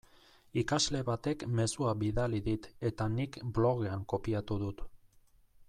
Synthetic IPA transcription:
ikazle̞βat̪e̞kme̞suaβiðaliðit̪e̞t̪anikblo̞ɣe̞aŋko̞piat̪uðut̪

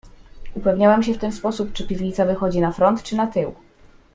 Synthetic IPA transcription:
upɛvɲawɛmɕɛft̪ɛnspɔsup̚t͡ʂɘpʲivɲit̪savɘxɔd͡ʑinafɾɔnt̪t͡ʂɘnat̪ɘw

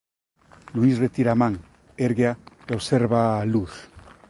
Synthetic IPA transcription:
luisret̪iɾamaŋ | eɾɣea | oβseɾβaluθ

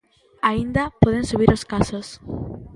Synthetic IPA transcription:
aind̪ɐpoðẽnsuβiɾoskasos

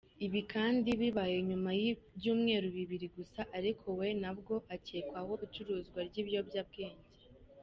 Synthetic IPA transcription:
iβikaːndiβiβaje̞ɲumajibɟuːmŋe̞ːɾuβiβiɾiɡusaʔaɾikʰo̞we̞nabɡo̞ʔaceːkwaho̞it͡ʃuɾuːzɡwaɾɟiːβjo̞bɟaːb̚ɡeːɲɟe

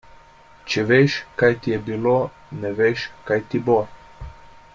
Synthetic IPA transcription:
t͡ʃɛʋeʃkajt̪ijɛbilo | nɛʋeʃkajt̪ibo

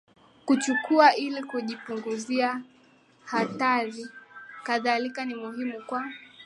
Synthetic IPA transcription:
kut͡ʃukuaʔilikuʄipuŋɡuzia | hataɾikaðalikanimuhimukwa

